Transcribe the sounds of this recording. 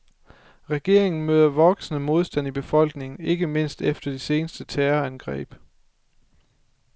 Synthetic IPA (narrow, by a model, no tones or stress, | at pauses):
ʁɛɡ̥e̝ɐ̰e̝ŋn̩møːð̞ˠɐʋɒ̽ɡ̥snəmo̝ðˠsd̥æn̰ib̥e̝fɒ̽l̰ɡ̥ne̝ŋn̩e̝ɡ̥əme̝n̰sd̥efd̥ɐd̥ese̝ːnəsd̥ət͡sʰæːɐænɡ̥ʁɛ̰ːb̥